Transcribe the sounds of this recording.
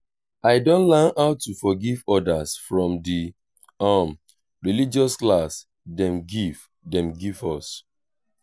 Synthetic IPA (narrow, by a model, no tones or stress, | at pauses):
aɪdõntlanaʊtufɔɡivɔdasfɹɔ̃mdi | am | ɹilid͡ʒɔsklas | dɛ̃mɡiv̥ | dɛ̃mɡivɔs